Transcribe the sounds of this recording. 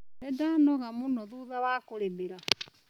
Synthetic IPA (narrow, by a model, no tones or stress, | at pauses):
nɛdanɔɣamunɔðuðawakoɾembeɾa